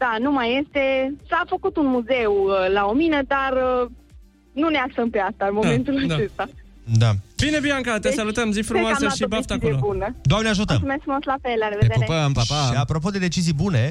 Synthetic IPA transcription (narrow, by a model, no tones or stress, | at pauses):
d̪̥anumaje̞st̪e̞safəkut̪unmuze̞wəlaominəd̪arə | nuneaksəmpeast̪anmo̞me̞nt̪ulat͡ʃe̞st̪a | d̪avinebiaŋkat̪esalut̪əmzifɾumoaaseʃibaft̪akeobunəd̪oamneaʒut̪ə̰mtsumest̪fɾumoslafelaɾeved̪eɾeəmaaʃiapɾo̞p̬o̞d̪e̞d̪e̞t͡ʃizijbune̞